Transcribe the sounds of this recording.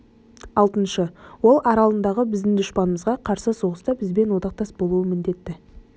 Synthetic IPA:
ɑlˠt̪ənʃəwo̞lˠʔɑɾɑlˠənd̪ɑʁəbɪzd̪ɪŋd̪ʊʃpɑnəməzʁɑqʰɑɾsəso̞ʁəst̪ɑbɪzbe̞nwo̞d̪ɑq̚t̪ɑsbo̞lˠuəmɪnd̪e̞t̪ːɪ

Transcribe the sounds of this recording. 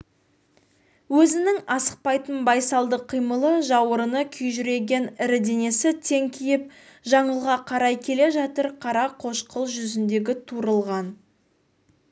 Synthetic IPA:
wɵzɪnɪŋɑsəq̚pɑjt̪ənbɑjsɑlˠd̪əqʰːijməlˠəʒɑwəɾənəkʲʰʏjʒʏɾe̞ɡʲe̞nɪɾd̪e̞ne̞sɪt̪ʰe̞ŋkʲʰijɪp̚ʒɑɴəlˠʁɑqʰɑɾɑjkʲʰe̞le̞ʒɑt̪əɾqʰɑɾɑqʰo̞ʃqʰəlˠʒʏzɪnd̪e̞ɡʲɪt̪ʰuɾəlˠʁɑn

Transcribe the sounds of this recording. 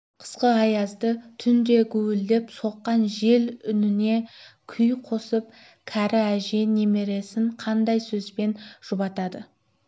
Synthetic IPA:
qʰə̥sqəɑjɑzd̪ət̪ʰʏnd̪e̞ɡʲʰɵwɪld̪epso̞qːɑnʒe̞lʏnɪne̞kʲʰʏjqʰo̞səp̚ | kʲʰæɾɪæʒe̞ne̞me̞ɾe̞sɪɴqʰɑnd̪ɑjsɵzbe̞nʒ̥ʊbɑt̪ɑd̪ə

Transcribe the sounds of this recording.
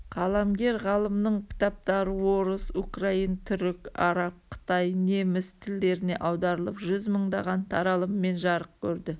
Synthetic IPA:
qʰɑlˠɑmɡʲe̞ɾʁɑlˠəmnəɴkʲʰɪ̥t̪ɑp̚t̪ɑɾəwo̞ɾəsukraint̪ʰʏɾɪkɑ̰ɾɑp̚qʰə̥t̪ɑjne̞mɪst̪ʰɪld̪e̞ɾɪne̞̰ʔɑwd̪ɑɾəlˠəpʒʏzməɴd̪ɑʁɑnt̪ʰɑɾɑlˠəmːe̞nʒɑɾəq̚kʲʰɵɾd̪ɪ

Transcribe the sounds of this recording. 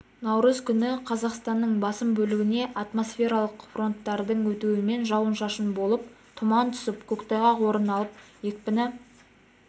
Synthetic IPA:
nɑwɾəzkʲʰʏnɪqʰɑzɑqst̪ɑnːəɴbɑsəmbɵlɪɡʲɪne̞ʔɑt̪mo̞sfʲe̞ɾɑlˠəqfro̞nt̪ːɑɾd̪əɴwɵt̪uwɪme̞nʒɑwənʃɑʃənbo̞lˠəp̚ | t̪ʰʊmɑnt̪ʰʊ̥səpkʲʰɵkt̪ɑjʁɑwo̞ɾənɑlˠəp̚je̞k̚ʲpɪnɪ

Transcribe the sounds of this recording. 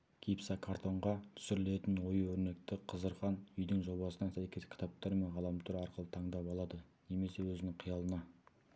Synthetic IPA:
kʲʰipsɑkʰart̪ʰo̞ɴʁɑt̪ʰʏ̥sɪɾɪle̞t̪ɪnwo̞jəwɵɾne̞k̚t̪ɪqʰəzəɾqɑnʏjd̪ɪŋʒo̞bɑsənɑsæjkʲe̞skʲʰɪ̥t̪ʰɑp̚t̪ɑɾme̞nʁɑlˠɑmt̪ʰʊɾɑɾqəlˠət̪ʰɑɴd̪ɑpɑlˠɑd̪əne̞me̞se̞wɵzɪnɪŋqʰijɑlˠənɑ

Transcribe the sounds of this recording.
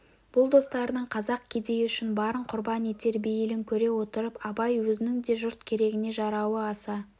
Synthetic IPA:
b̥ʊlˠd̪o̞st̪ɑɾənəɴqʰɑzɑq̚kʲʰe̞d̪e̞jɪʏʃɪnbɑɾəɴqʰʊɾbɑnit̪e̞ɾbijɪlɪŋkʲʰɵɾe̞wo̞t̪əɾəpɑbɑjwɵzɪnɪŋd̪e̞ʒʊɾt̪kʲʰe̞ɾe̞ɡʲɪne̞ʒɑɾɑwəɑsɑ

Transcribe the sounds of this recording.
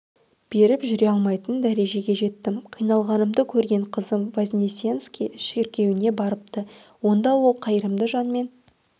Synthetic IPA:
b̥e̞ɾɪpʒʏɾe̞ɑlˠmɑjt̪ənd̪æɾe̞ʒe̞ɡʲe̞ʒe̞t̪ːɪmqʰijnɑlˠʁɑnəmd̪əkʲʰɵɾɡʲe̞ɴqʰəzəmvazʲnʲisʲjenskʲiʃe̞ɾkʲe̞wɪne̞bɑɾəp̚t̪ə | wo̞nd̪ɑwo̞lˠqʰɑjəɾəmd̪əʒɑnme̞n

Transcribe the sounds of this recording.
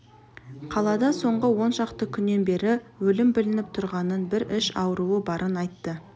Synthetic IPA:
qʰɑlˠɑd̪ɑso̞ɴʁəwo̞nʃɑqt̪əkʲʰʏnːe̞nbe̞ɾɪwɵlɪmbɪlɪnɪp̚t̪ʰʊɾʁɑnənbɪɾɪʃɑ̰wəɾuəbɑɾʔənɑjt̪ːə

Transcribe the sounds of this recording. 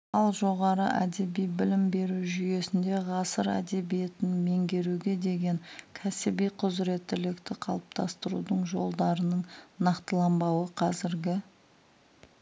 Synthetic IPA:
ɑlˠʒo̞ʁɑɾəʔæd̪e̞bijbɪlɪmbe̞ɾuwʒʏje̞sɪnd̪e̞ʁɑsəɾæ̰d̪e̞bije̞t̪ɪnme̞ŋɡʲe̞ɾuɡʲe̞d̪e̞ɡʲe̞ŋkʲʰæsɪbijqʰʊzɾe̞t̪ːɪlɪkt̪ɪqʰɑ̰lˠəp̚t̪ʰɑ̰st̪əɾṵd̪əɴʒo̞lˠd̪ɑɾənəɴnɑqt̪əlˠɑmbɑwəqʰɑzɪɾɡʲɪ

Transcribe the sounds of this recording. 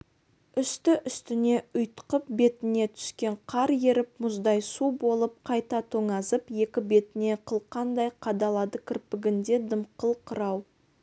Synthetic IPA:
ʏst̪ɪʔʏst̪ɪne̞ʊjt̪ə̥qəp̚be̞t̪ɪne̞t̪ʰʏ̥skʲe̞ɴqʰɑɾje̞ɾɪp̚mʊzd̪ɑjsubo̞lˠəp̚qʰɑjt̪ɑt̪ʰo̞ŋɑzəpje̞kʲɪbe̞t̪ɪne̞qʰəlˠqɑnd̪ɑjqʰɑd̪ɑlˠɑd̪əkʲʰɪɾpɪɡʲɪnd̪e̞d̪əmqʰəlˠqʰəɾɑw

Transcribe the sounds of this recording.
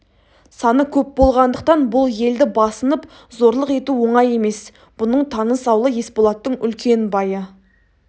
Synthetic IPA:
sɑnəkʲʰɵp̚bo̞lˠʁɑnd̪əq̚t̪ɑnbʊlˠje̞ld̪ɪbɑsənəp | zo̞ɾlˠəqe̞t̪uwo̞ɴɑje̞me̞s | b̥ʊnəɴt̪ʰɑnəsɑwlˠəje̞spolˠɑt̪ːəɴʏ̰lkʲe̞nbɑjə

